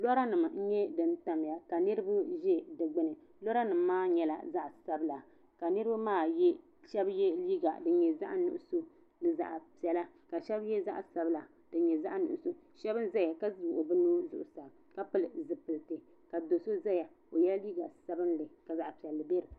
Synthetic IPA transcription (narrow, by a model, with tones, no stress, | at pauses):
lɔ˦ɾa˦nɨ˨m˨n̩˦ɲɛ˦dɨ˨nta˨m˨ja˨ka˨nɨ˦ɾɨ˦ba˦ʒɛ˦dɨ˨ɡ͡bɨ˦nɨ˨ | lɔ˦ɾa˦nɨ˨mː˦aː˦ɲɛ˦la̰˨za˦ʔsa˦bla˨ | ka˨nɨ˦ɾɨ˦ba˦maː˦jɛ˦ | ʃɛ˦bjɛ˦liː˦ɡa̰˨dɨ˨ɲɛ˨za̰˦ʔnʊ̰˨ʔʊ˦so˦ | nɨ˦za̰˨ʔa˨pi˨ɛ˨la˦ | ka˨ʃɛ˦bjɛ˦za̰˦ʔsa˨bla˨ | d̥ɨ˨ɲɛ˨za˦ʔnʊ̰˨ʔʊ˨so˦ | ʃɛ˦bɨ˦nza˦ja˨ka˦˨ʊ˨ʊ˨bɨ˦nuː˦zʊ̰˦ʔʊ˨sa˨b | ka˦pɨ˦lɨ˨zɨ˨pɨ˨ltɨ˨ | ka˨do˨so˦za˦ja˨ | o˨jɛ˦lliː˦ɡa˨sa˦bɨ˦nlɨ˨ka˨za˨ʔpi˨ɛ˨lːɨ˨bɛ˦ɾɨ˨